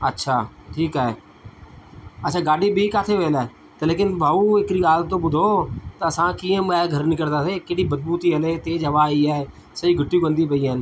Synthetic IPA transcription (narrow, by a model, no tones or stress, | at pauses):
ətːʃʰaːʈʰiːkɦɛɛː | əːʃʰaːɡaːɖiːbʱiːkaːt̪ʰeːʋeːlɛː | t̪eːleːk̬ɪnbaːuːɪkɾiːaːlt̪õːbʊd̪ʱoːt̪aəsãːkiːẽːmɛːɡʱəɾnɪkəɾd̪aːseːkeːɽiːbəd̪buːt̪iːəleːt̪eːd͡ʒəʋaːiːɛː | səiːɡʱəʈːjuːɡə̃nd̪iːpəiːə̃ːn